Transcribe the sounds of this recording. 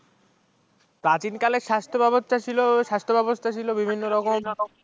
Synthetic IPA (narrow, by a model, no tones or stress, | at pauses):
pɾat͡ɕinkaleʃast̪ʰobɛbot̪t̪at͡ɕʰiloʃast̪ʰobɛbost̪ʰat͡ɕʰilobibʱinːoɾɔkom